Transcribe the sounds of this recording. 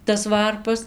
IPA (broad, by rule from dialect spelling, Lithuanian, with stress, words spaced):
tɐs ˈʋɐrpɐs